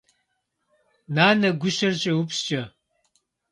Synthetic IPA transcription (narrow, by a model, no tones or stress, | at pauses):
naːnɐɡʷʊɕɐrʑʼɐwʊpst͡ʃʼɐ